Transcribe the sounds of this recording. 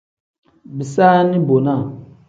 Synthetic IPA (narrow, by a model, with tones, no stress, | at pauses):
bi˨saː˦nɪ˦bo˨na˦˨